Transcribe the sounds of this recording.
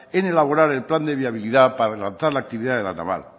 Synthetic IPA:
ene̞laβoɾaɾe̞lpland̪e̞β̞jaβ̞iliðapaɾrelan̟θaɾlak̚t̪iβiðaðela̰na̰βa̰l

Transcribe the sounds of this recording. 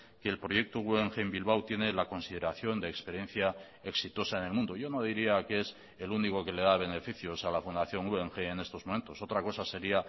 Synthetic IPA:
ke̞ːlpɾo̞je̞k̚t̪oueŋxeːmbilβ̞awt̪je̞ne̞lako̞nsið̞e̞ɾaθjo̞nd̪eːkspe̞ɾje̞n̟θja | e̞ksit̪o̞saene̞lmũnd̪oʝo̞no̞ð̞iɾiakees | eluniko̞ke̞le̞ðaβ̞e̞ne̞fiθjo̞salafund̪aθjo̞ŋueŋxe̞ːne̞st̪o̞zmo̞ment̪o̞so̞t̪ɾako̞sase̞ɾia

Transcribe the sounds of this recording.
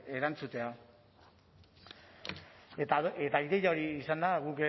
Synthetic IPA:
e̞ɾant͡sut̪e̞a | et̪aet̪aiðe̞jao̞ɾiːsand̪aɣuke

